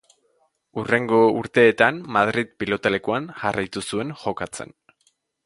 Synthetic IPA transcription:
ure̞ŋɡo̞uɾt̪e̞ːt̪anmaðɾiðpilo̞t̪ale̞kuanʝarajt̪usue̞ŋʝo̞kat͡se̞̰n

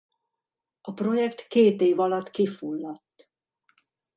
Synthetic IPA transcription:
ɒpro̞jɛkt̪keːt̪eːvɒlɒt̪kifulːɒt̪ː

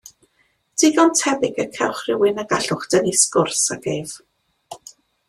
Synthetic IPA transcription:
d̥ʰiɡɔntʰɛbɪɡəkʰɛwχrɪwɪnaɡaɬʊχd̥əniskʊrsaɡ̥ejv

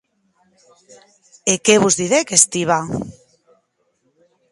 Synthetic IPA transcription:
ekeβuzðiðekest̪iβa

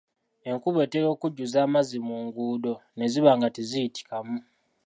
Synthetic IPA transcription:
e̞ŋkuβe̞ːteɾo̞ːkuɟːuzaːmazimuŋɡuːdo̞ne̞ziβaːŋɡatizijiti̥kamu

